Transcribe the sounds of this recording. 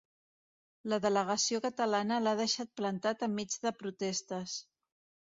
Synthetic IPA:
ləðələɣ̞əsiokət̪əlanəlað̞əʃat̪̚plənt̪at̪əmːid͡zðəpɾut̪ɛst̪əs

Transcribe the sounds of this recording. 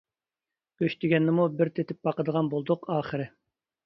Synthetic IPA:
kʲøʃt̪ʰɪɡʲɛnːɪmubɪɾt̪ʰet̪ʰɪp̚bɑqəd̪əʁɑnbolˠd̪ʊqɑːχəɾɪ

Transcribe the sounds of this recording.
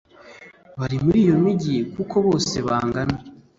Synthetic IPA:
βaɾimuɾiːjo̞miɟijekuko̞βo̞ːse̞βaːŋɡana

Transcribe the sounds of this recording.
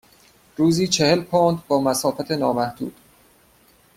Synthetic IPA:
ɾuːziːt͡ʃʰe̞he̞lpʰond̪bɒːmæsɒːfæt̪ʰe̞nɒːmæhd̪ṵːd̪̥

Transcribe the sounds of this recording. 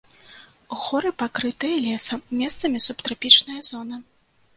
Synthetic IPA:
uɣɔɾɨpakɾɨt̪ɨjɐlʲɛsɐmʲɛst̪sɐmʲisupt̪ɾapʲit͡ʂnɐjɐzɔnɐ

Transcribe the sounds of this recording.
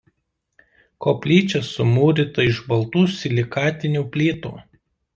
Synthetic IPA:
koːpʲlʲiːt͡ʃʲɛsʊmuːɾʲɪt̪ɐɪʒbɐlˠt̪uːsʲɪlʲɪkɑːt̪ʲɪnʲuːpʲlʲiːt̪ṵː

